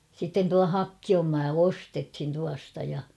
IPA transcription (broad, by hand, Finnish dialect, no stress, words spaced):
sitːen tuɑ hɑkːiom mɑː ostethin tuɑstɑ jɑ